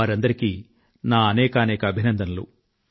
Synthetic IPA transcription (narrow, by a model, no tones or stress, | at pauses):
aːɾɐnd̪ɐɾikiː | naːɐnɛːkɐːnɛːkɐːbʱinɐnd̪ɐnɐlṵ